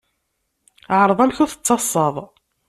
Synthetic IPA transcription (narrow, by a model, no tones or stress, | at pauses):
ʕɾˤəðˤæmçuθə̥t͡sːɑsˤːɑðˤ